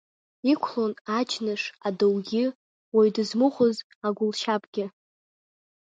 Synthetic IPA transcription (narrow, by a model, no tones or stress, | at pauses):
ikʷʰlonad͡ʒnɨʂadowɡʲɪ | wajdɨzmɨχʷʊz | aɡʷʊlʃapʰʼɡʲɪ